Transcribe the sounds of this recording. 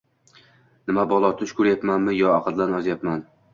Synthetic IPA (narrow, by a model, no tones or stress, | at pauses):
nɪmabɒlˠɒt̪ʰʊʃkʰʊɾjapmanmɪjɒɑqʰɨd̪lanɒzjapman